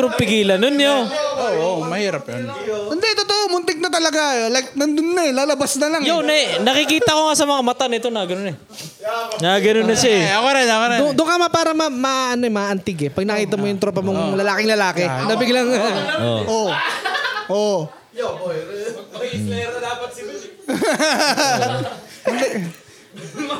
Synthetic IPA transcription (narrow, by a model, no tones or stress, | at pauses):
t̪ɾopɪɡiːlɐnonjoʔoʔomɐhiːɾɐpjo̰n | ɪnd̪ɛt̪ot̪oʔomʊnt̪ɪɡ̚nɐt̪ɐlɐɡaɛlɐnɐnd̪ʊnːɐɛlaːlɐbasnɐlaŋjonɛnɐkɪkiːt̪ɐkoŋasɐmɐŋamɐt̪anɪt̪onɐɡɐnonɛ | naɡɐnonɐʃaɛokɐɾanakɐd̪ʊd̪ʊŋkamɐpaːɾɐmɐmaʔɐno̞ɛmɐʔɐnt̪ɪɡɛpɐɡ̚nɐkiːt̪ɐmojʊŋt̪ɾopɐmoŋlɐlaːkɪŋlɐlaːkɛnɐbɪɡlɐŋao̰ʔo | ʔo | ɪnd̪ɛ